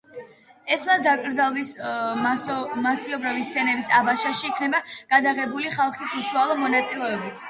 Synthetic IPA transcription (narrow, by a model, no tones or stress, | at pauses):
ɛsmasd̪akʼɾd̪zalˠis | masiɔbɾavist̪sʰɛnɛbisabaʃaʃiːkʰnɛbaɡ̥ad̪aʁɛbuliχalˠχisuʃualˠɔmɔnat̪sʼilɛɔbit̪ʰ